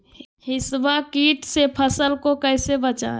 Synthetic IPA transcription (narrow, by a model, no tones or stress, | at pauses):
hisbakiʈsepʰəsəlkokəjsebət͡ʃa̰